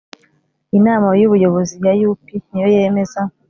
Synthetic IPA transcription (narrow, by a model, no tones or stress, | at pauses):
inaːmajuβujo̞βo̞zibjajupinijojeme̞za